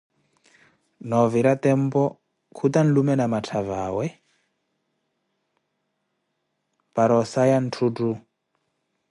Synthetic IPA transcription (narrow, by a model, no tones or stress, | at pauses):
nɔviɾat̪ɛmpɔ | kʰut̪an̩lumɛnamatʰavaːwɛ | paɾɔsajan̩tʰutu